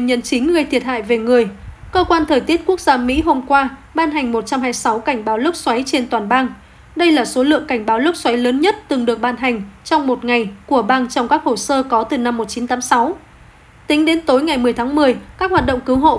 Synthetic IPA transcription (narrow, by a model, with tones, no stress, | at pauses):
ɲə˧˩nt͡ɕï˨˦ŋ̟ŋɨ˨˧˩əjt̪ʰi˨˩ət̚ɦa̰ː˧˨jve˨˩ŋɨ˨˩əj | kəː˧kwaː˧nt̪ʰəː˨˩jt̪i˦˥ət̚ku˦˥ək̚zaː˧mḭ˧˥ɦo˧mkwaː˧ɓaː˧nɦa˨˩jŋ̟mo˨˩t̚t͡ɕa˧mɦaː˧jsa˨˦wka˧˩ŋ̟ɓaː˨˦wlɨ˦˥k̚swa˨˦jt͡ɕe˧nt̪waː˨˩nɓaː˧ŋ | ɗə˧jlaː˨˩so˨˦lɨ̰˧˨əŋka˧˩jŋ̟ɓaː˨˦wlɨ˦˥k̚swa˨˦jləː˨˦nɲə˦˥t̚t̪ɨ˨˩ŋɗɨ˨˩ək̚ɓaː˧nɦa˨˩ŋ̟t͡ɕɔ˧wŋ͡mmo˨˩t̚ŋa˨˩jku˧˩əɓaː˧ŋt͡ɕɔ˧wŋ͡mkaː˦˥k̚ho˧˩səː˧kɔ˨˦t̪ɨ˨˩na˧mːo˨˩t̚t͡ɕi˨˦nt̪aː˨˦msa˨˦w | t̪ï˨˦ŋ̟ɗe˨˦nt̪o˨˦jŋa˨˩jmɨ˨˩əjt̪ʰaː˨˦ŋmɨ˨˩əjkaː˦˥k̚hwaː˨˩t̚ɗə̰˧˨ŋ͡mkɨ˨˦wɦo̰˧˨